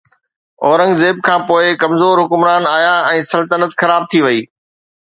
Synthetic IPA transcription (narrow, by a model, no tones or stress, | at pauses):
ɔːɾə̃ŋɡzeːb̚kʰãːpoːɪkɐmzoːɾɦʊkʊmɾaːnaːɦijãɛ̃ːsɐlt̪ənət̪xɐɾaːb̚t̪ʰiʋɐiː